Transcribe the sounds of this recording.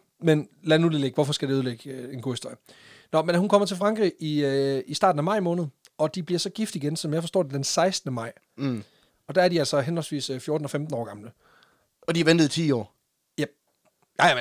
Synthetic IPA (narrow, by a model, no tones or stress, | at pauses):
menlænuð̩ˠleɡ̥ʋɒfɒ̽sɡ̥æɾeuð̞ˠleɡ̥əe̝nɡ̥o̰ːhisd̥o̝ɐ̰jənɒ̽menɦunkʰɒ̽m̰ɐt͡sʰe̝fʁɑ̈ŋɡ̥ʁḭʔiisd̥ɑ̈ːd̥n̩æmɑ̈ɪ̰mɔ̽ːnð̞̩ˠ | ɒ̽d̥ib̥liɐsɒ̽ɡ̥ifd̥iɡ̥ensɒ̽mjɑ̈ɪfɒ̽sd̥ɒ̰ːd̥e̝d̥ensɑ̈ɪsd̥nəmɑ̈ɪ̰ | ɒ̽d̥ææɐdiælsɒɦenɒ̽lsʋḭːsøfjo̝ːd̥n̩ɒ̽femd̥n̩ɒ̰ːɡ̥ɑ̈mlə | ɒ̽d̥iʋend̥ð̩ˠit͡sʰiːɒ̰ː | jæ̥ | j